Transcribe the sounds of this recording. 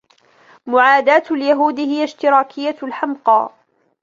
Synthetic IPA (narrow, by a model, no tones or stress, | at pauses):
mʊʕaːd̪aːt̪ljaɦuːd̪ɪhɪjaʃt̪ɪɾˤaːkʰɪjːalħamqɑ̰ː